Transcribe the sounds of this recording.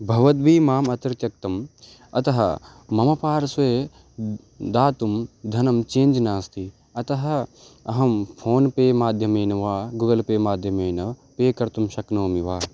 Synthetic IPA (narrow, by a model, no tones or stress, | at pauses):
bʱɐʋɐt̪̚biːmaːmɐt̪ɾt̪jɐk̚t̪ɐm | ɐt̪ɐɦɐ̰ | mɐmɐpaːɾɐsʋeː | d̪aːt̪umd̪ʱɐnɐmt͡ʃeːnd͡ʒnaːst̪ʰi | ɐt̪ɐɦɐ̆ | ɐɦɐmpʰoːnpeːmaːd̪ʱjɐmeːnɐʋaːɡuːɡɐlpeːmaːd̪ʱjɐmeːnɐpeːkɐɾt̪umʃɐknoːmiʋaː